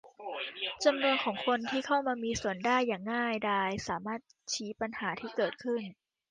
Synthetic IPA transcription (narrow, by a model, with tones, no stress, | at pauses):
t͡ɕa˧mnu˧ənkʰɔː˩˦ŋkʰo˧nt̪ʰiː˥˩kʰa˥˩wmaː˧miː˧su˨˩˦əndaː˥˩jːaː˨˩ŋːaː˥˩jdaː˧jsaː˩˦maː˥˩t̪̚t͡ɕʰiː˦˥pa˧nhaː˩˦t̪ʰiː˥˩kɤː˨˩t̪̚kʰɯ˥˩n